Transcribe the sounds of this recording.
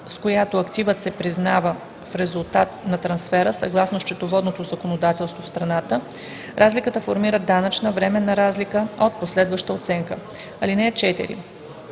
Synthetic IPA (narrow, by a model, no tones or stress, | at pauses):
skojat̪oɐkt̪ivət̪sɛpɾiznavə | fɾɛzulˠt̪at̪nɐt̪ɾɐnsfɛɾəsɐɡlˠasnost͡ʃɛt̪ovɔd̪not̪ozɐkonod̪at̪ɛlˠst̪vofst̪ɾɐnat̪ə | ɾʔazlikət̪əfoɾmiɾəd̪anət͡ʃnəvɾɛmɛnɐɾazlikəot̪̚poslɛd̪vəʃt̪əot̪sɛŋkə | ɐlinɛt͡ʃɛt̪ɛ̰ɾḭ